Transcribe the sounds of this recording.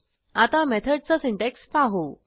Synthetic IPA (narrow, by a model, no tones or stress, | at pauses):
at̪amɛt̪ʰəɖ̚t͡sasiɳʈekspaɦo